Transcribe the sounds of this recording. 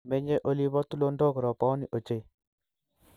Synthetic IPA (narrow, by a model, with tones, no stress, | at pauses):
me˦ɲe˦ʔo˦li˦βɔ˦tu˦lo˦ndo˦kɾɔ˨pɔ˦ni˨ʔo˨t͡ʃe˦j